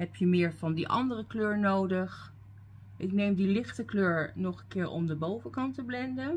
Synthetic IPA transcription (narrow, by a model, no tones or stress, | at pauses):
ɦɛpjəmɪːɹvɑndiʔɑ̰ndərəkløːɹnowdəχ | ʔɪknejmdilɪχtəkløːɹnɔχənkɪːɹʔɔ̰mdəbowvəkɑntəblɛndən